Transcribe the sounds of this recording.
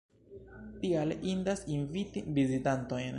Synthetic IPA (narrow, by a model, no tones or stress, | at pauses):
tialʔindasinvitivizitanto̞jn